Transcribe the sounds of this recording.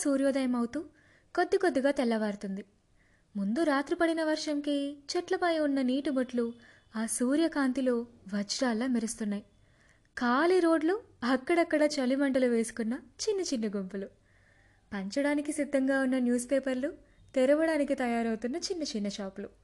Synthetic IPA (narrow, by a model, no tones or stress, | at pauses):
suːɾjoːd̪ɐjɐmɐwut̪uː | kod̪ːikod̪ːiɡaːt̪ɛlːɐʋaːɾut̪und̪i | mund̪uɾaːt̪ɾupɐɽinɐʋɐɾʂɐmkit͡ʃɐʈlɐpɐjɐunːɐniːʈubɐʈlu | aːsuːɾjɐkaːnt̪iloːʋɐt͡ʃɾaːlːaːmiɾust̪unːaːji | kaːliɾoːɖlu | ɐkːɐɽɐkːɐɽɐt͡ʃɐlimɐɳʈɐluʋe̞ːsu̥kunːɐt͡ʃinːɐt͡ʃinːɐɡompulu | pɐɲt͡ʃɐɽaːnikisid̪ʱːɐŋɡaːunːɐnjuːspeːpɐɾlu | t̪ɛɾɐʋɐɽaːnikit̪ɐjaːɾɐwt̪unːɐt͡ʃinːɐt͡ʃinːɐʃaːplu